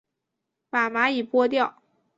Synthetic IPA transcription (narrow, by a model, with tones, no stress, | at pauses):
pa˨˩ma˧˥i˨˩pwɔ˥t̪jɑ˥˩ʊ